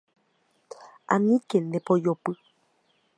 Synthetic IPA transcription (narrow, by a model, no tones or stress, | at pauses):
ʔa̰nĩkenẽpojopɨ